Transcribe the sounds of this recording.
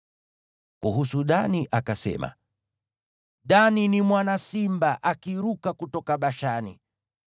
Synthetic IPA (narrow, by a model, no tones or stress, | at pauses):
kuɦusuɗaniʔakasɛ̰ma̰ | ɗaninimwanasimbaʔakiɾukakutɔkaɓaʃanḭ